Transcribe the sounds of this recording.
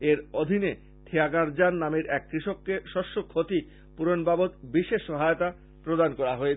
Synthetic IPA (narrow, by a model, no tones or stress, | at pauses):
eɾod̪ʱine | t̪ʰeaɡaɾd͡ʑanːameɾʔɛkːɾiʃokːeʃɔʃːokʰːot̪i | puɾonbabot̪biʃeʃːɔɦajot̪a | pɾod̪ankɔɾaɦoe